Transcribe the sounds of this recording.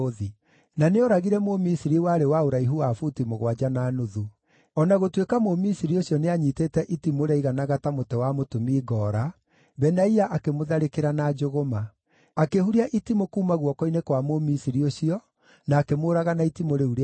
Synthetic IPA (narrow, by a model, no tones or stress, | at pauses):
ði | naneɔɾaɣiɾɛmomisiɾiwaːɾewaoɾaiɦuafutimoɣwad͡ʒanaːnoðu | ɔnaɣotwekamomisiɾioɕiɔneaɲiteːtɛʔitimoɾaiɣanaɣatamotɛwamotomiːɡɔːɾa | bɛnaiaʔakemoðaɾekeɾanaːd͡ʒoɣomaː | kehuɾiaʔitimokuːmaɣwɔkɔinekwamomisiɾioɕiɔ | naːkemoɾaɣanaitimoɾeuɾe